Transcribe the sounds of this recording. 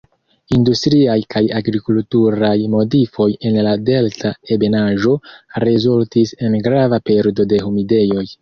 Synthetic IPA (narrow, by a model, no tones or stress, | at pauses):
industɾiajkʰajaɡɾikultuɾajmo̞difo̞je̞nlade̞ltʰae̞be̞naʒo̞ɾezultise̞nɡɾavape̞ɾdo̞de̞ɦumide̞jo̞j